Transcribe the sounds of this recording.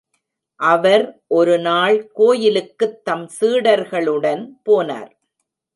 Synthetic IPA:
ʔɐʋɐɾʔɔɾɯnaːɭkoːjɪlɯkːɯt̪ːɐmsɯːɽɐɾɣɐɭɯɽɐnpoːna̰ːɾ

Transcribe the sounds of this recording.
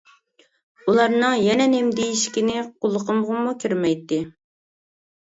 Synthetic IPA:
ulˠɑɾnɨŋjɛnɛnemd̪ejiʃkʲinɪqʰolˠːəqʰəmʁəmukʲʰøɾmɛjt̪ːɪ

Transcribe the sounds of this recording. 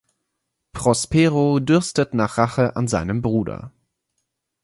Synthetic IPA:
pʁ̥ɔspeːʁodʏɐstətnaːχʁ̥aχəʔa̰nzaɪnəmbʁuːdɐ̰

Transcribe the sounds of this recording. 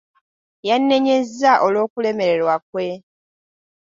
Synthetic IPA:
janːe̞ɲe̞zːaʔolo̞ːkule̞me̞ɾe̞ɾwak̚we̞

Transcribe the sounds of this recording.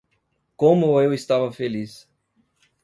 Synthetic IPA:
kõmʊewist̪avɐfelis

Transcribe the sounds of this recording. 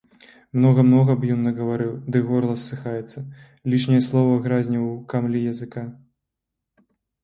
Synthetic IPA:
mnɔɣɐmnɔɣɐbjɔnːɐɣɐvaɾɨwd̪ɨɣɔrlˠɐsːɨxajɛt̪sːɐ | lʲiʂnʲijɐslˠɔvɐɣɾazʲnʲikamlʲijɐzɨka

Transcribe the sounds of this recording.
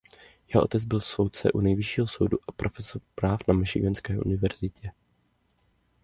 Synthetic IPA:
jɛɦoʔo̰t̪ɛd͡zbɪlso̞wt̪t͡sɛ̰ʔunɛjvɪʃiːɦoso̞̰wduʔapɾʔo̞fɛsoɾpɾaːfnamɪʃɪɡɛnskɛːʔṵnɪvɛɾzɪcɛ

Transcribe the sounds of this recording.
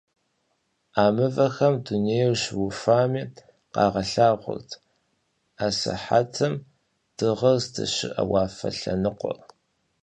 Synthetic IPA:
aːmɨvɐxɐmduneːjɛwɕwʊfʷaːmiː | qɑːʁɐɬaːʁʷʊ̰rtʰ | aːsɨ̰ħa̰tʰɨm | d̥ɨʁɐzdʰɨ̰ɕɪ̰ʔɐwɑːfɐ̰ɬɐnɨqʷɔ̰

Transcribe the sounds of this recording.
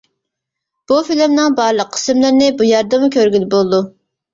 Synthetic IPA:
b̥ufilɪmnɪŋbɑɾlˠəq̚ʰːə̥sɪmlɪɾnɪbujɑɾd̪ɨmukʲʰøɾɡʲylɪbolˠd̪u

